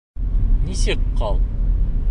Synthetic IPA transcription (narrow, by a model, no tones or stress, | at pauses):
nisɘkqɑlˠ